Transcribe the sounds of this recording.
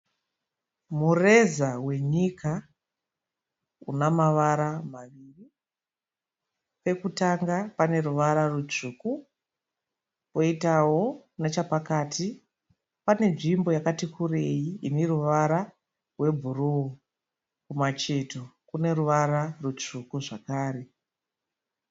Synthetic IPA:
mure̞zawe̞ɲika | ṵnamaʋaɾamaʋiːri | pe̞kutaŋɡapane̞ɾuʋaɾarut͡ʂuːku | po̞itawo̞kunet͡ʃapakaːtʰi | pane̞nʐimbo̞jakatikʰure̞jiiniruʋaɾa | rwe̞bʱuruo | kumat͡ʃe̞to̞kune̞ruʋaɾarut͡ʂukuʐakaːɾe̞

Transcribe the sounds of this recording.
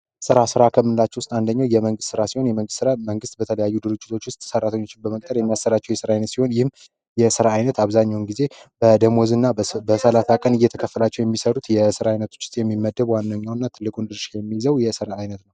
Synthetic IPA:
sɨɾasɨɾakʰəmːɨnɨlat͡ʃːɛwʊst̪ʼand̪əɲːawjɛməŋɡɨst̪ːsɨɾasiho̞njɛməŋɡɨst̪ːsɨɾaməŋɡɨst̪̚bət̪ʰələjajːud̪ɨɾɨt͡ʃʼːɪt̪ʰo̞t͡ʃːwʊst̪ʼsərːat̪ʰəɲːo̞t͡ʃːɪnbəmək̚ʼt̪ʼəɾjɛmːijasːəɾat͡ʃːɛwjɛsɨɾaajnət̪siho̞njɪhm | jɛsɨɾaːjnət̪aβzaɲːawnɡize̞bəd̪əmozɨnːabəsəlasakʼənɨjːɛt̪ʰəkʰəfːəlat͡ʃːɛwjɛmːisəɾut̪jɛsɨɾaajnət̪ʰo̥t͡ʃːʊ̥st̪ʼjɛmːimːəd̪ːəbwanːəɲːawnːat̪ʰɨlːɨkʼund̪ɨɾʃjɛmːizəwjɛsɨɾaajnət̪nəw

